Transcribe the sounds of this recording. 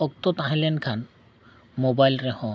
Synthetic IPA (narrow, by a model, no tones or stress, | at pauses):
ɔk̚t̪ot̪ãɦilenkʰan | mobajlɾehɔ̃